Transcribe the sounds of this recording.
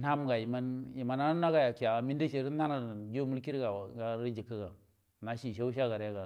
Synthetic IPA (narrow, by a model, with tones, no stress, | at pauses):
na˦m˦ɡa˨ji˨ma˦nji˨ma˨na˦na˦ɡa˨ja˨ki˨a˨mi˦n˦di˦ʃe˦˨ɾna˦na˨d͡ʒo˦mu˦lki˦ɾɡa˨ɡa˨˦ɾi˦d͡ʒi˨kːə˦ɡa˨ | na˨ʃi˨ʃa˦u˦ʃ̬a˦ɡa˨ɾe˦ɡa˨